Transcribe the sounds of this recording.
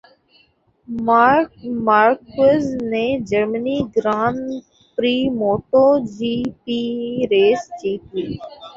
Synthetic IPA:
maːɾkəzneːd͡ʒəɾməniːɡɾaːn | pɾiːmoːʈoːd͡ʒiːpiːɾeːsd͡ʒiːt̪iː

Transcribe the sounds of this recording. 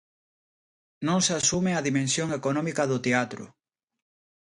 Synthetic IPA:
nõŋsasumeaðimẽnsjoŋekonɔmikɐðʊt̪eat̪ɾʊ̰

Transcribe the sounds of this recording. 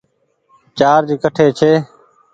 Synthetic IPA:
t͡ʃaːɾd͡ʒiːkəʈʰeːt͡ʃʰeː

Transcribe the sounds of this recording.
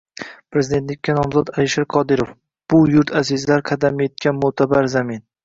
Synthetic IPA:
pʰɾe̞zɪd̪et̪lɪkʲːanɒmzɒd̪alɪʃaɾqʰɒd̪ɪɾof | b̥ʊjʊɾt̪ʰazɪzlaɾqʰɑd̪amet̪̚kʲanmʊt̪ʰabaɾzamin

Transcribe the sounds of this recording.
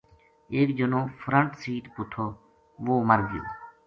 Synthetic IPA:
eːkd͡ʒənõːfʰɾəɳʈsiːʈ̪pʊʈʰoː | ʋoːməɾɡɪjo̰ː

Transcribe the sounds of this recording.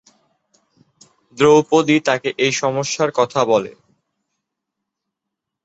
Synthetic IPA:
d̪ɾowpod̪it̪akeʔejʃɔmoʃːaɾkɔt̪ʰabɔlḛ

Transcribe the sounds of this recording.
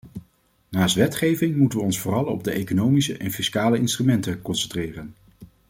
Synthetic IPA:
naːstʋɛtχejvɪŋmutənʋəɔnsfʊːrɑlˠɔ̰b̚dəejkonowmisəʔɛnfiskaːləɪnstrymɛntəkɔnsɛntrɪːrən

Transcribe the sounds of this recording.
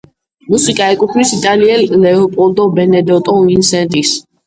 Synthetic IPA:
musikʼaɛkʼupʰnisit̪ʼaliɛlːɛɔpʼɔld̪ɔbɛnɛd̪ɔt̪ʼɔinsɛnt̪ʼis

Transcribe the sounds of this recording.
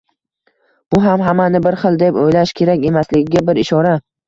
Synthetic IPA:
b̥ʊɦamɦamːanɪbɪɾχɨlˠd̪epojlaʃkʲʰe̞ɾakʲe̞maslɪɡʲɪɡʲabɪɾɪʃɒɾa

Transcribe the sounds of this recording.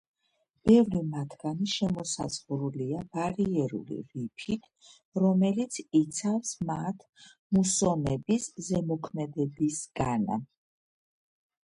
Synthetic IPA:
b̥ɛvɾimat̪ʰɡ̥aniʃɛmɔsa̰z̥ʁɾuliab̥aɾiɛɾṵlḭɾipʰit̪ʰ | ɾɔmɛlit̪sʰit̪sʰafsmat̪ʰ | musɔnɛbiszɛmɔkʰmɛd̪ɛbisɡ̥ana̰

